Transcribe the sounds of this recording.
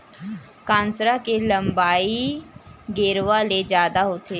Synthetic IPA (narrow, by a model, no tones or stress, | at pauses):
kãːnsɾakelɐ̃mbaːi | ɡeːɾʋaled͡ʒjaːd̪aɦoːt̪eː